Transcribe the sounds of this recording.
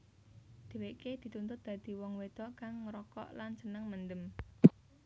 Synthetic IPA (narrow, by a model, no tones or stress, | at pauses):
d̪̥e̤weʔked̪̥i̤t̪unt̪ʊt̪̚d̪̥ä̤d̪̥i̤wɔŋwed̪̥ɔkaŋːɾɔkɔ̰ʔlansənəŋmənd̪əm